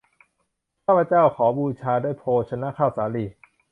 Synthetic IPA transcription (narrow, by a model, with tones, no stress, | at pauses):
pʰaː˥˩pʰɾa˧t͡ɕaː˥˩wkʰɔː˩˦buː˧t͡ɕʰaː˧duː˥˩˨jpʰoː˧t͡ɕʰa˧na˦˥˨kʰaː˧˥˩wsaː˩˦liː˧˩